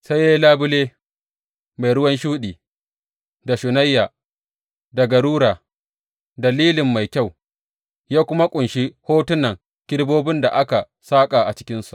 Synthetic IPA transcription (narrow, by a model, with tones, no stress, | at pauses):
sa˦jːe˦laː˦bʊ˦leː˦ | ma˨jɽʊ˦wɐ˦nʃuː˦ɗiː˨ | da˨ʃʊ˨na˦jːaː˨ | da˨ɡa˨ɽuː˦ɾaː˨ | dɐ˨liː˦lɪ˨mːa˨jkʲa˦˨w | jaː˦kʷʊ˦ma˦kʷʼʊ˨nʃi˦hoː˦tʊ˦nːɐ˨ŋ | kʲɪ˦ɽboː˦bɪ˦nda̰˨ʔa˦ka˨ | saː˦kʼa˨ʔa˨t͡ʃɪ˦kʲɪ˦nsu˨ʔ